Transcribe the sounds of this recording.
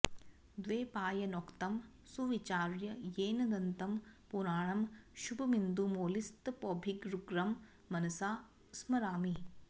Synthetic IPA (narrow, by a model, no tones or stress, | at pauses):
d̪ʋeːpaːjɐnoːkt̪ɐm | suʋit͡ʃaːɾjɐjeːnɐd̪ɐnt̪ɐmpuɾaːɳɐmʃubʱɐmind̪umoːlist̪poːbʱiɡɾuɡɾɐmː | ɐnɐsaː | smɐɾaːmi